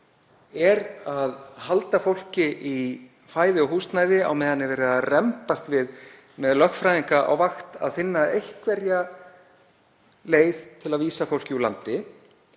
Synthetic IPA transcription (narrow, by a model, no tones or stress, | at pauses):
ɛɾaðhalt̪afowl̥cɪʔi | faːjðɪɔɦust̪naːjðɪa̰wmɛːðanːɪvɛːɾɪaðrɛmpast̪vɪð | mɛðlœxfɾajðiŋkaʔa̰wvaxt̪a̰ðfɪnːaejhkvɛɾja | leːjðt̪ʰɪlaðviːsafowl̥cɪula̰nt̪ɪ